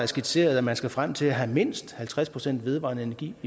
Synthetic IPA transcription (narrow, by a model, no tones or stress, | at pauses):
æɐsɡ̥id̥se̝̰ːɐð̞̩ˠæmænsɡ̥æfʁam̰t͡sʰe̝læɦæme̝n̰sd̥hælt͡sʰʁaspʰʁo̝sen̰d̥ʋe̝ð̞ˠʋɑ̰̈nəe̝nɐɡ̥ḭː